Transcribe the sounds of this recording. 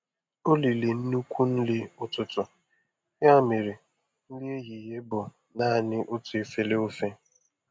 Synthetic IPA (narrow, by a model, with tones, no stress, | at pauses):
o˦li˨le˨n̩˦nu˦kʷu˦n̩˦lɪ˦ʊ˦tʊ˨tʊ˨ | ja˦˨me˨ɾi˨ | n̩˦li˦e˦ɦi˨ɦe˦bʊ˨ | na˦˨nɪ˦ʔʊ˦tu˨e˦fe˦le˦o˦fe˦